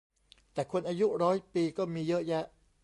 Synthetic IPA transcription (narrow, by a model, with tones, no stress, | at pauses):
t̪ɛː˨˩kʰu˧ənʔaː˧ju˦˥ʔɾɔː˦˥jpiː˧kɔː˥˩miː˧jɤ˦˥ʔjɛ˦˥ʔ